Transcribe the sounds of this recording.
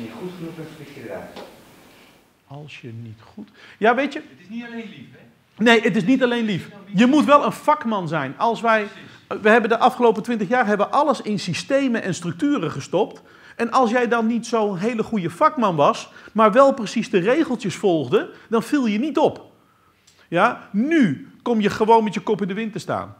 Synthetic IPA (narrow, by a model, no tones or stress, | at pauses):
iχutχənuɛɪɛ | ɑlˠsjənitχutjaːʋejtə | nejʔətɪs̬nitɑlejnlifjəmutʋɛlˠənfɑkmɑnzɛjnɑlˠsʋɛj | ʋəɦɛbəndəʔɑfχəlowp̬ətʋɪ̃ntəχjaːrɦɛbəʋəʔɑləsɪnsistejməʔɛnstrɵk̚tyːərəχəstɔpt | ʔɛnɑlˠs̬jɛjdɑnːitsownɦeːləχujəfɑkmɑnʋɑsmaːɹʋɛlˠprəsisdəreːχəlˠtəsfɔlˠχdədɑnfilˠjənitɔp | janykɔmjəχəʋownmɛtjəkɔpɪndəʋɪntəsta̰ːn